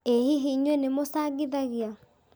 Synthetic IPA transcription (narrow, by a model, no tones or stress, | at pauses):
ehiɦiɲwɛnemosaɡiðaɣia